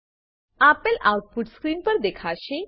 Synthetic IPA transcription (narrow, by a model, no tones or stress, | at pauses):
apəlʔawʈ̚puʈskɾiːnpəɾd̪ekʰaɕe